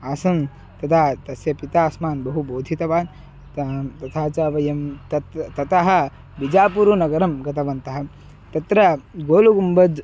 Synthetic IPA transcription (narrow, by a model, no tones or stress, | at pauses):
aːsɐm | t̪ɐt̪ʰaːt̪ɐsjɐpit̪aːsmaːnbɐɦuboːd̪ʱit̪ɐʋaːn | t̪ɐt̪ʰaːt͡ʃaːʋɐjɐmt̪ɐt̪t̪ɐt̪ɐɦɐ̆ | bid͡ʒaːpuɾunɐɡɐɾɐmɡɐt̪ɐʋɐnt̪ɐɦɐ | t̪ɐt̪ɾɐɡoːluɡumbɐd͡ʒ